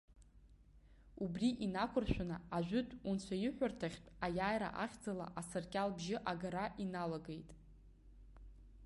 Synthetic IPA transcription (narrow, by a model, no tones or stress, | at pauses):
ubriʔinakʷʰʊrʃʷᶣanaaʒᶣʷʊtʰʼunt͡ɕʷʰajɪħʷᶣartʰaχʲt͡pʼajaːjɾa̰ʔaχʲd͡zala̰ʔasarkʲʼalbʒɪʔaɡaɾaʔinalaɡejtʼ